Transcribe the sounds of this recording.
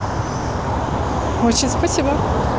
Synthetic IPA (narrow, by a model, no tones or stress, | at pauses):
ɦot͡ɕɪnʲspɐsʲibɐ